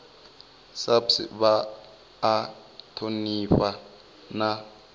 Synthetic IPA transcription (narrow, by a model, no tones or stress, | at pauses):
sapsɪ̰βaː | tʰoniɸa | na